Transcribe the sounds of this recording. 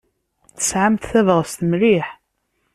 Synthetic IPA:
θə̥sʕamt̪θævʁəst̪mɾiħ

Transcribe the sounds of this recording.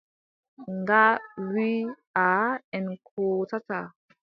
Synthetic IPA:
ŋɡawi | aɛ̃nkʰot͡sat͡sa

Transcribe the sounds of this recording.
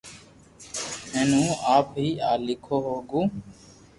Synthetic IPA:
ɦeːnũːaːpɦiːʔaːlɪkʰoːɦoːɡũː

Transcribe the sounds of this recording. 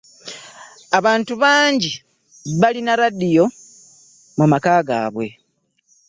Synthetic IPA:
aβaːntuβaːɲɟi | βalinaɾadijo̞ | mumakaːɡa̰ːβwe̞̰

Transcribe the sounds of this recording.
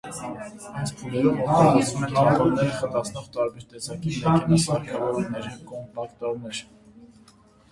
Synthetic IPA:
ɑj̪t͡sʰpʰulɛɾumɔɾɑlt͡svumɛɑɑvɔɾnɛɾəχət̪ɑt͡sʰnɔʁt̪ɑɾbɛɾt̪ɛsɑkiɑɾnəsɑɾkʰɑvɔɾumnɛɾikɔmpɑkt̪ɑvnɛɾ

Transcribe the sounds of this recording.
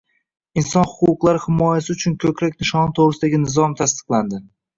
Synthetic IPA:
insɒnhʊqʊqlˠaɾɪhɪmɒjasɪʊt͡ʃʰʊnkʰʲɵkʰʲɾakʲnɪʃɒnt̪ʰoʁɾɪsɪd̪aɡʲɪnɪzɒmt̪ʰast̪ɨ̥qlˠand̪ɪ

